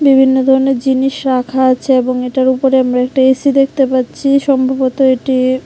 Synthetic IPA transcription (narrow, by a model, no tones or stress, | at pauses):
bibʱinːod̪ʱɔɾoneɾd͡ʑiniʃɾakʰaat͡ɕʰeeboŋeʈaɾupoɾeamɾaɛk̚ʈaesid̪ekʰt̪epatːɕʰiʃɔmbʱabot̪oeʈi